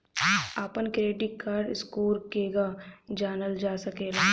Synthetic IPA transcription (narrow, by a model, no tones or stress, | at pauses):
aːpənkɾeːʈikaːɾɖɪskoːɾkeːɡad͡ʒaːnəld͡ʒaːsɐkeːɡaː